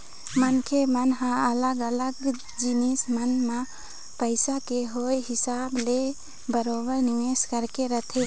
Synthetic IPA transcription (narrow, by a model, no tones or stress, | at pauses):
mənkʰemənɦãələɡələɡ | d͡ʒinismənma | pəɪsakeɦojɦɪsable | bəɾobəɾniʋeskəɾkeɾət̪ʰe